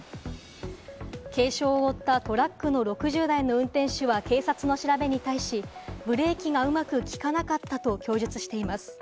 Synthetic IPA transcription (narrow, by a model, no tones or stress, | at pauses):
ke̞ːɕo̞ːot̪ːat̪o̞ɾakːɯ̟no̞ɾo̞kɯ̟ʑɨːd̪aino̞ɯ̟̃nt̪ẽ̞ɰ̃ɕɨβake̞ːsat͡sɨno̞ɕiɾabe̞ɲ̟it̪aiɕibɯ̟ɾe̞ːkʲiɡaɯ̟makɯ̟kʲi̥kanakat̪ːat̪o̞kʲo̞ːʑɨt͡sɨ̥ɕi̥t̪e̞imasɨ̥